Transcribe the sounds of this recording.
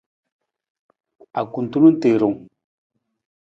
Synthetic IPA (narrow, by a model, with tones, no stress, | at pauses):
a˨ku˨n˨tu˦nu˦te˨ɾo˨ŋ